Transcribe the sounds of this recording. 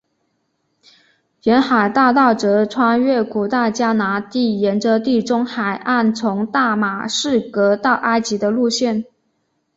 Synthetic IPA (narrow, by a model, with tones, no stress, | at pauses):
ɥɛ˧˥nxa˨˩ɪt̪ɑ˥˧ʊt̪ɑ˥˩ʊʈ͡ʂɤ˧˥ʈ͡ʂʰwɑ˥ŋɥɛ˥˩ku˨˩t̪a˥˩ɪt͡ɕja˥na˧˥t̪i˥˩jɛ˧˥nʈ͡ʂɤ˧t̪i˥˩ʈ͡ʂʊ˥ŋxa˨˩ɪʔa˥˩nt͡sʰʊ˧˥ŋt̪a˥˩ma˨˩ʂɻ̩˥˩kɤ˧˥t̪ɑ˥˩ʊʔa˥ɪt͡ɕi˧˥d̪ə˧lu˥˧ɕjɛ˥˩n